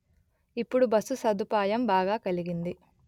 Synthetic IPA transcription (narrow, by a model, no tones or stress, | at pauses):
ipːuɽubɐsusɐd̪upaːjɐmbaːɡaːkɐliɡind̪i